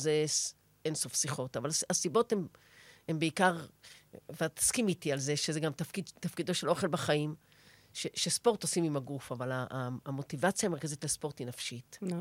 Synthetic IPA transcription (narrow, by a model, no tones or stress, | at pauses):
zes | enso̞fsiχo̞tavalasibo̞them | hembeikaʁ | vat̪ḁskimit̪ialzeʃezeɡamtafkid̪t̪afkid̪o̞ʃe̞lʔo̞χe̞lbaχaim | ʃeʃespo̞ʁtosimimaɡufavalaːmo̞t̪ivat͡sjamekazitlespo̞ʁt̪inafʃit̪